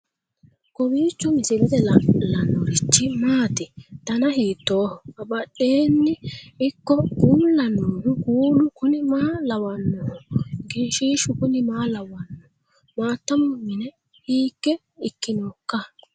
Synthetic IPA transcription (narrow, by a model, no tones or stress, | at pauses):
kɔbiːt͡ʃːɔmɪsɪlɛd̪ɛlɐlɐnːɔɾɪt͡ʃːɪmaːt̪ɪt̪ɐnɐhiːt̪ːoːhɔɐbɐɗːeːnːɪɪkːɔɡuːlːɐnoːhʊɡuːlʊkʊnɪmaːlɐwɐnːɔɡiːʃiːʃʊkʊnɪmaːlɐwɐnːɔ | maːt̪ːɐmɔmɪnɛ | hiːkːɛ | ɪkːɪnoːkːɐ